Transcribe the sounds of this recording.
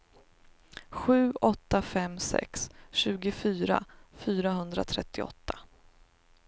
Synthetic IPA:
ɧʉ̟ːɔt̪ːafɛmsɛ̰ksɕʉ̟ːɡʊfyːɾa̰fyːɾaɦɵnd̪ɾa̰t̪ʰɾɛt̪ʰːɪɔ̰t̪ːḁ

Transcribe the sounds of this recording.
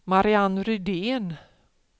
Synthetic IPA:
maɾɪanɾʏd̪eːn

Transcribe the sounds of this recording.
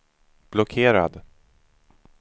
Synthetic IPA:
b̥lɔkʰeːɾa̰d̪

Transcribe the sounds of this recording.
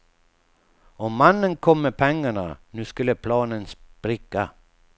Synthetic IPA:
ɔmːanːənkʰɔmːɛpʰɛŋːaɳanʉːskɵlːəpʰlɑːnənspɾɪkːa

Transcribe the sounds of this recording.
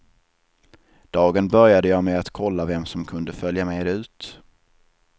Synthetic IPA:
d̪̥ɑːɡənbœɾjad̪əjɑːmɛat̪kʰɔlːavɛmsɔmkʰɵnd̪əfœljamɛjd̪ɛʉ̟ːt̪

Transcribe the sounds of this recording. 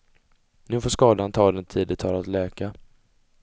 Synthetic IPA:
nʉ̟ːfoːʂkɑːd̪ant̪ʰɑːd̪ɛnt̪ʰiːd̪ɪt̪ʰɑːlat̪lɛːka

